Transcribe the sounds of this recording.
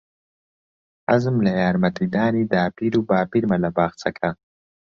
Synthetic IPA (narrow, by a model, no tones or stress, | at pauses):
azɨmlɐjaːɾmɐt̪id̪aːnid̪aːpiɾubaːpiɾmɐlɐbaːxt͡sʰɐkʰa